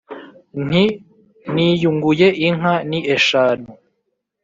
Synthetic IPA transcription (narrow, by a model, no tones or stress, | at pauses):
n̥i | nijuŋɡujeʔiŋ̥ɦaniʔeʃaːnu